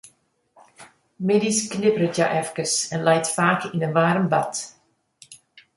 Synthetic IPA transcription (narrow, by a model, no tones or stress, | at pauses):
mɪdisknɪbərətja̰ʔɛfkəsɛnlɛjtfaːkinənʋaːɾəmbat